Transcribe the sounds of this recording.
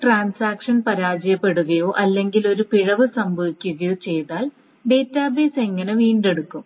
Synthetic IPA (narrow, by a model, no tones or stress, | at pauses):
ʈraːnsaːkʂɐnpɐɾaːd͡ʑɐjɐpːe̞ɽuɣɐjo̞ːʔɐlːe̞ŋɡilo̞ɾupiɻɐʋɨsɐmbʱɐʋikʲːuɣɐjo̞ːt͡ɕe̞jðaːl | ɖe̞ːtːaːbeːse̞ŋːɐneʋiːɳɖe̞ɽukːum